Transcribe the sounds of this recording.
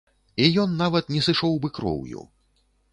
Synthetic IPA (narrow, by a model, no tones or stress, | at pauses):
ijɔnːavɐt̪̚nʲɛsɨʂɔwbɨkɾɔ̰wjṵ